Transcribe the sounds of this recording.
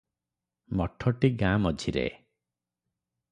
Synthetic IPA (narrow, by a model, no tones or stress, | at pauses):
mɔʈʰɔʈiɡãmɔd͡ʒʱiɾḛ